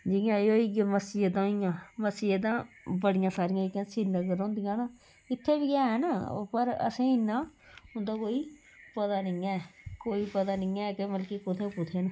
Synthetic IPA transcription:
d͡ʒɪjãːeoːiːɡməsiːd̪ãːɪjãːməsiːed̪ãː | bəɽɪjãːsaːɾɪjãːikãːsiːnəɡəɾõːnd̪ɪjãːnaː | ɪt̪ʰːeːbiːaːɦɛːnaːpəɾə̰sẽːɪnːãːʊ̃nd̪aːkoːiː | pət̪aːnɪːɛ̃ːkoːiːpət̪aːnɪːãːkeməlkikʊt̪ʰeːpʊt̪ʰeːn

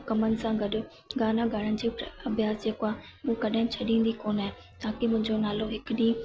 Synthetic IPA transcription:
kɐmənɪ̆sãɡɐɗo | ɡaːnãɡʱɐɽənɪ̆d͡ʑeːɐbjaːsd͡ʑeːkoaː | uːkɐɗaːɦɪ̃t͡ɕʰɐɗĩːnd̪ikoːnaːɦe | t̪aːkimʊ̃ɦɪ̃ɲd͡ʑonaːloɦɪkɪɗi

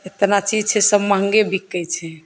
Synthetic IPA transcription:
et̪nat͡ʃid͡ʒt͡ʃʰɛsəbməŋɡebʱikːəjt͡ʃʰɛ

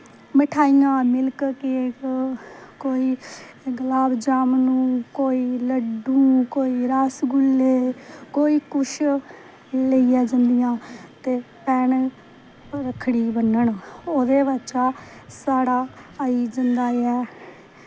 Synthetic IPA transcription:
məʈʰaːijãːmɪlkkɪ | koːiː | ɡəlaːbd͡ʒaːmnũːkoːiːləɖũːkoːiːɾaːsɡʊlːeːkoːiːkʊʃ | ləiːɛːd͡ʒə̃nd̪ɪjãːt̪eːpɛːɳ | ɾəkʰːɽiːbənːəɳoːd̪eːʋət͡ʃaːsaːɽaːəiːd͡ʒənd̪aːeɛː

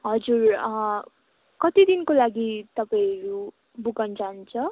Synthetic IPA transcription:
ɦʌd͡zur | kʌt̪id̪inkolaɡit̪ʌpaĩʌɾu | buɡʌnd͡zaunt͡sʰʌ

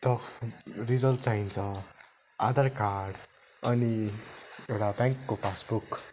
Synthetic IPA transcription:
t̪ʌ | rid͡zʌlʈt͡saɦint͡sʰʌ̃ | a̰d̪ʱarkaɾɖ | ʌni | ewʈabãŋkːopʰasbuk

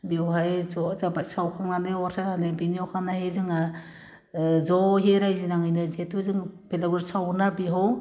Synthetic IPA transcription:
biwɦajzɔzabaj̚sawkʰaŋnanewaɾsanebiniawkʰanahezɯŋa | zɔɦeɾajzinaŋɯjnɯzetʰuzɯŋpʰelaɡuɾsawnabiɦaw

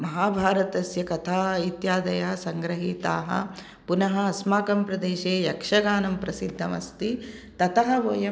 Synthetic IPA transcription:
mɐɦaːbʱaːɾɐt̪ɐsjɐkɐt̪ʰaːit̪jaːd̪ɐjɐɦɐsɐŋɡɾɐɦiːt̪a̰ːɦɐ̰ | punɐɦɐɐsmaːkɐmpɾɐd̪eːʃeːjɐkʂɐɡaːnɐmpɾɐsid̪ʱːɐmɐ̰st̪it̪ɐt̪ɐɦɐ̆ʋoːjɐ

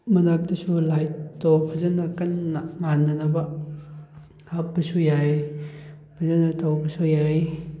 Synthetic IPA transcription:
mɐnak̚dɐsulajtɔpʰɐzɐnɐkɐnːaŋanːɐnɐbɐ | hap̚bɐsujaj | pʰɐzɐnɐtɔwbɐsujaj

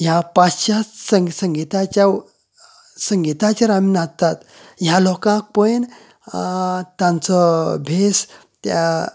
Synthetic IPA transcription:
japast͡ɕasəsəŋɡit̪at͡ɕja | səŋɡit̪at͡ɕaɾaminat̪at̪ | jalɔkãk̚pən | t̪ãnt͡sɔbʱes | t̪a

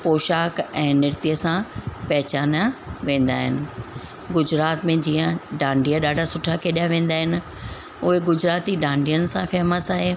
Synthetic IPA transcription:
poːʃaːkɛ̃ːnɪɾt̪ijəsãpɛɦɪt͡ɕaːnəʋẽːn̆d̪aːɦɪ̰nɪ̆ | ɡʊd͡ʑɾaːt̪mẽd͡ʑiːə̃ɖãːɳɖijaɗaːɖʱasʊʈʰakʰeːɗijaʋẽːn̆d̪aːɦɪnɪ̆ | ʊɦeɡʊd͡ʑɾaːt̪iɖãːɳɖijənɪ̆sãfɛːməsaːɦeː

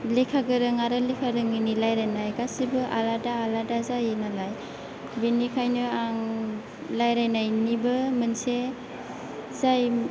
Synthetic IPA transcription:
likʰaɡɯɾɯŋaɾɯlikʰaɾɯŋinilajɾajnajɡasibɯʔaladaːladazajnalaj | binikʰajnɯaŋ | lajɾajnajnibɯmɯnse | zaj

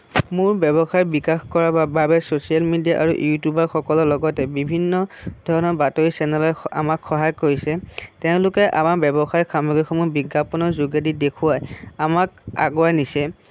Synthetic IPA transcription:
mʊɹbɛbɔxajbikaxkɔɹabababɛsosialmidijaʔaɹṵjutubaɹxɔkɔlɔlɔɡɔtɛbibʱinːɔd̥ʱɔɹɔnɔɹbatoɹisɛnɛlɔa̰makxɔɦajkoɹisɛteʊ̃lʊkɛʔamaɹbɛbɔxajkamɔɡɹikʰɔmʊbiɡːapɔnɔɹzuɡadidekʰʊwajamak̚a̰ɡɔanisɛ

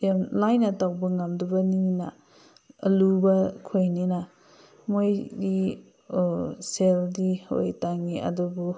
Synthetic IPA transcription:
jamlajnɐtawbɐŋamdubɐninɐ̰ | ɐ̰lubɐkʰojninɐ | mojɡi | seldiho̰jtaŋiʔɐ̰dubu

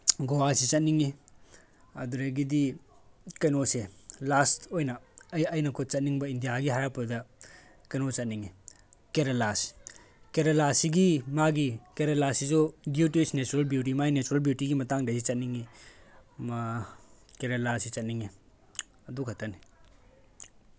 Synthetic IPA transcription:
ɡowasit͡ʃɐt̚niŋi | ɐ̰duɾɐɡidi | kɐjnoselastojnɐjɐjnɐkʰot̚t͡ʃɐt̚niŋbɐindijaɡiɦajapudɐ | kɐjnot͡ʃɐt̚niŋi | keɾelasi̥ | keɾelasiɡimaɡikeɾelasisubjutisnet͡ʃuɾalbjut̬imainet͡ʃuɾalbjutiɡimɐtaŋdɐsit͡ʃɐt̚niŋi | ma | keɾelasit͡ʃɐt̚niŋi | ɐdukʰatːɐni

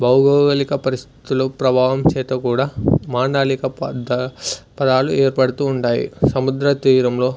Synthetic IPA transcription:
bɐwɡoːɡɐlikɐpɐɾist̪i̥t̪uloːpɾɐbʱaːʋɐmt͡ʃɛːt̪ɐkuːɽaːmaːɳɖaːlikɐpɐd̪pɐd̪aːluɛːɾpɐɽut̪uːɳʈaːjḭsɐmud̪ɾɐt̪iːɾɐmlo̞ː

